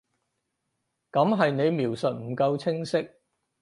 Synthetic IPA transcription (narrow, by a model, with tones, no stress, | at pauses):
kɐ˨˥mɦɐ˨jne˨˧jmiː˨˩wsɵ˨t̚m̩˨˩kɐ˧wt͡sʰɪ˥ŋsɪ˥k̚